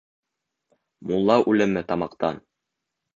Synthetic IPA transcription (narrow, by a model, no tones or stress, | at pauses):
mulˠːɑʔʉlɘ̆mɘt̪ɑmɑqt̪ɑ̰n